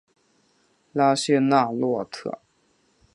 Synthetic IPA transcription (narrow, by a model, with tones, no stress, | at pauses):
la˥ɕɛ˥˧na˥˧lwɔ˥˧t̪ʰɤ̰˥˩